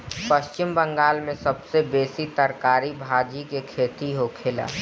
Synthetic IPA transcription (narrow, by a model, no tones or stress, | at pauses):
pəʃt͡ʃɪmbə̃ŋɡaːlmẽsɐbsebeːsit̪əɾkaːɾibʱaːd͡ʒikekʰeːt̪iɦokʰela̰ː